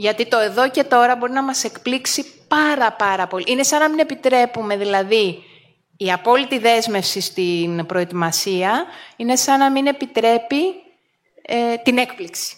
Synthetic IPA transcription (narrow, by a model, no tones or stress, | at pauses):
ʝɐt̪it̪o̞e̞ðo̞ce̞t̪o̞ɾɐbo̞ɾinɐmɐse̞kpliksipɐɾɐpɐɾɐpo̞lḭʔine̞sɐnɐmine̞pit̪ɾe̞pume̞ðilɐðiː | ɐpo̞lit̪iðe̞zme̞fsist̪inpɾo̞e̞t̪imɐsiɐine̞sɐnɐmine̞pit̪ɾe̞pi | et̪ine̞kpliksi̥